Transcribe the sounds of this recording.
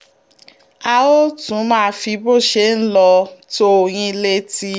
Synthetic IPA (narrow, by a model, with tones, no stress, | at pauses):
a˧o˦tũ˨˦mã˦˧˦fi˧bo˦˨ʃe˧˦n̩˦lɔ˧to˦o˨j̃ĩ˧le˧ti˧